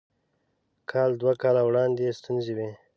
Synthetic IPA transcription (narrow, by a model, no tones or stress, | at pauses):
kʰɑːld̪wakɑlawɽɑnd̪est̪unzewe